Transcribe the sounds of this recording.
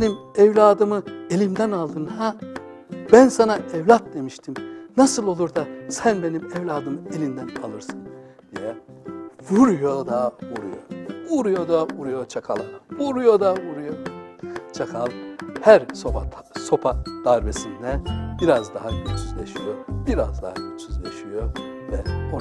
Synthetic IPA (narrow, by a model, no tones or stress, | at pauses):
enimɛvlʲaːd̪ɯmɯelʲimd̪ænalˠd̪ɯnha | bænsanaʔɛvlʲat̪̚d̪e̞miʃt̪ʰimnasɯlˠo̞lˠuɾd̪asænbe̞nimɛvlʲaːd̪ɯmɯelʲind̪ænalˠɯɾsɯn | d̪ijɛ | vuɾujod̪avuɾṵjo̰uɾujo̞d̪avuɾujot͡ʃʰakʰalˠa̰vuɾujo̞d̪avuɾujo | t͡ʃʰakʰalˠhæɾsopaso̞pʰad̪̥aɾbesind̪ɛb̥iɾazd̪aɦayt͡ʃʰyzlʲeʃijobiɾazd̪ahayt͡ʃyzlʲeʃijo | vɛo